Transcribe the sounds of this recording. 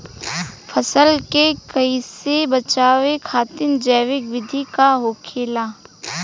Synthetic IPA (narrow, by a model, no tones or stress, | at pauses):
fʰəsəlkekɐisebɐt͡ʃaːʋekʰaːt̪ɪnd͡ʒɛːʋɪkʋɪd̪ʱikaɦoːkʰeːlaː